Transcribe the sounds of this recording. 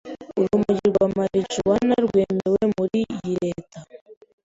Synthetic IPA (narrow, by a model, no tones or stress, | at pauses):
uɾumuɟiɾɡwamaɾit͡ʃiwanaɾɡweːmewemuɾijiɾeːta